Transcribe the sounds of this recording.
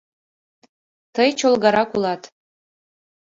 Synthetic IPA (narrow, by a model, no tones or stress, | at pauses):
t̪əjt͡ʃolˠɡɑɾɑkulˠɑt̪